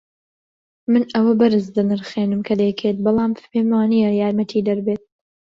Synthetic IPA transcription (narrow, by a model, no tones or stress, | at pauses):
mɨnʔɐwɐbɐɾɨzd̪ɐnɨɾχeːnɨmkʰɐd̪ɛjkʰeːt̪̚bɑlˠɑːmfpʰeːmaːnijɐjaːɾmɐt̪ʰiːd̪ɐɾbeːt̪̚